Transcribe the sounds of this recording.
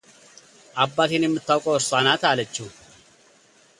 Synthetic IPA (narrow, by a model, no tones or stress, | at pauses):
ʔɐbːaːt̪inɪmːɨt̪ːɐwkʼoːsanaːt̪aːlɐt͡ʃːu